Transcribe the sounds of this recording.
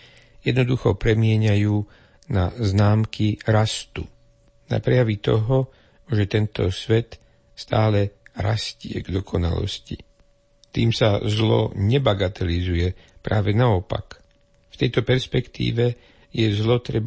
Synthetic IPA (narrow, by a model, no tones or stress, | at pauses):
jɛd̪nɔd̪uxɔpɾɛmɪɛɲajuː | naznaːmkiɾast̪u | na̰pɾɛjaʋit̪ɔɦɔ | ʒɛt̪ɛnt̪ɔsʋɛt̪ | st̪aːlɛɾascɪɛ̰ɡd̪ɔkʰɔna̰lɔ̰sci | t̪iːmsazlɔ̰ɲɛbaɡat̪ɛlizujɛpɾaːʋɛnaɔpa̰k | ft̪ɛjt̪ɔpɛɾspɛkt̪ḭːʋɛ | jɛzlɔt̪ɾɛb